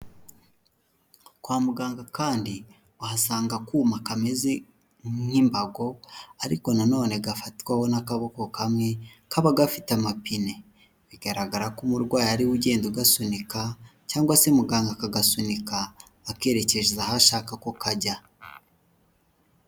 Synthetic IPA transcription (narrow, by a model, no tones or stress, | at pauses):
kwaːmuɡaːŋɡakaːndi | ahasaːŋɡakuːmakamezi | ŋŋimbaɡo̞aɾḭko̞nano̞ːneɡafatkwaho̞nakaβo̞ko̞kamŋe̞kaβaɡafi̥tamapine̞ | βiɡ̥aɾaɡaɾakumuɾɡwaːjaɾiwuɟe̞ːndoɡasunikacaːŋɡwasemuɡaːŋɡakaɡasunikaː | ke̞ːɾe̞ce̞ʒezahaʃaːkakokaɟa